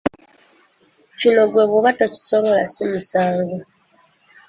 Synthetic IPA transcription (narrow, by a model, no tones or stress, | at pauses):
cino̞ɡwe̞ːβoβatoci̥soβo̞lasimisaːŋɡo